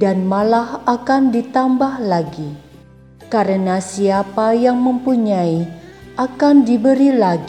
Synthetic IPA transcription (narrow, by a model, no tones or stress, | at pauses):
danmalahakandit̪ambahlaɡi | kaɾənasiapajaŋməmpuɲaiʔakandibəɾilaɡi